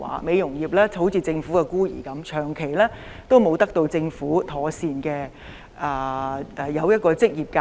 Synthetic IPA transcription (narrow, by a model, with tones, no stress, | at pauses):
a̰ː˨˥me˨˧jjʊ˨˩ŋjiː˨˩p̚lɛː˥ho˨˥wt͡siː˨˧t͡sɪ˧ŋfuː˨˥kɛ˧kuː˥jḭː˨˩kɐ˨˥mt͡ʃʰœː˨˩ŋkʰe˨˩jlɛː˥ | t̪o˥wmo˨˧wt̪ɐ˥k̚t̪o˧wt͡sɪ˧ŋfuː˨˥t̪ʰɔː˨˥siː˧nkɛː˧ | ʔɛː˨˩ʔɛ˨˩jɐ˨˧wjɐ˥t̚kɔː˧t͡sɪ˥k̚jiː˨˩p̚kaː˧